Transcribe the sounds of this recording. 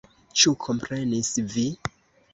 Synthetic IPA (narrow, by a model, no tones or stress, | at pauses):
t͡ʃukʰo̞mpɾe̞nisvi